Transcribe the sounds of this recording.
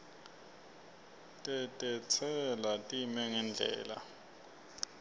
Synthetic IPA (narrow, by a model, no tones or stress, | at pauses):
tʼɛtʼɛt͡sʰɛlatʼimɛŋɛnd͡ɮʱɛ̰ːla̰